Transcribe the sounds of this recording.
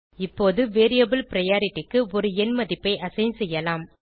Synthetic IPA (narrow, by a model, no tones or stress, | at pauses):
ɪpːoːðɯʋeːɾijɐbɯlpɪɾɐjaːɾɪʈːɪkːɯɔɾɯɛnmɐðɪpːɐɪʔɐsɐɪnsɛjːɐlaːm